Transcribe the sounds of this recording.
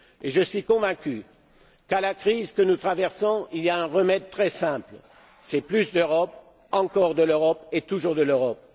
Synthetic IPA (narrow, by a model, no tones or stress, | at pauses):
eʒəsɥikɔ̃vɛ̃kʲy | kalakχizkənut̪χavɛʁsɔ̃ilijaɛ̃ʁəmɛd̪̚t̪χɛsɛ̃pl | sɛplysd̪øʁɔp | ɑ̃kɔʁd̪əløʁɔpet̪uʒuʁd̪əløʁɔp̚